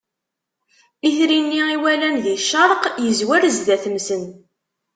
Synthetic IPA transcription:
iθɾinːiiwælænðiʃːɑɾˤqjəzwæɾzðæθəmsən

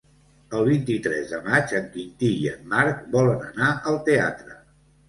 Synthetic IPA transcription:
əlˠβint̪it̪ɾɛ̰zðəmat͡ʃəŋkint̪iiəmaɾkbɔlənənaʔəlˠt̪ea̰t̪ɾə

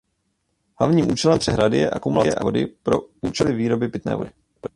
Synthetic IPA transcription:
hla̰vɲiːmʔuːt͡ʃɛlɛmpr̥ɛɦɾadɪjɛʔakumulajɛ̰ʔavo̞dɪpɾo̞uːt͡ʃɛlɪviːɾo̞bɪpɪt̪nɛ̰ːvo̞dɪ

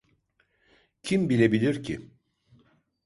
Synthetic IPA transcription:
cʰimbilʲebilʲiɾcʰi

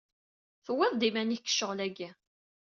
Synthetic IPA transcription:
θəwːɪðˤd̪imænikːə̥ʃːəʁlæɡæ

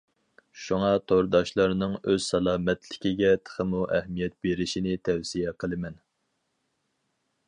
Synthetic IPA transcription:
ʃuŋɑt̪ʰoɾd̪ɑʃlˠɑɾnɨŋøz̥sɛlˠɑːmɛt̪ʰlɪkʲiɡʲɛt̪ʰə̥χəmuʔɛhmijɛt̪̚beɾɪʃinɪt̪ʰɛwsijɛqʰəlˠɨmɛn

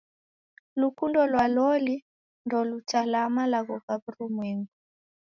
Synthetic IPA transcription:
lukundɔlwalɔli | ndɔlutalamalaɣɔɣaβuɾumwɛŋɡu

